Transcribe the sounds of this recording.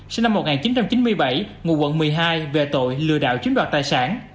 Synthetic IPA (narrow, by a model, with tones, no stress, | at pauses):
si˧na˧mːo˨˩t̚ŋaː˨˩nt͡ɕi˨˦nt͡ɕa˧mt͡ɕi˨˦nmɨ˧əjɓə˧˩jŋu˨˧˩kwə̰˧˨nmɨ˨˩əjɦaː˧jve˨˩t̪o̰˧˨jlɨ̰˧˨əɗa̰ː˧˨wt͡ɕwnɗwaː˨˩t̚t̪aː˨˩jsaː˧˩n